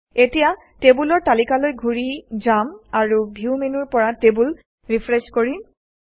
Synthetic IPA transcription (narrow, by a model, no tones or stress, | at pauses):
etija | tebulɔɹtalikalojɡʱuɹid͡ʒamaɹubʱiwmenuɹpɔɹatebul | ɹipʰɹeskoɹi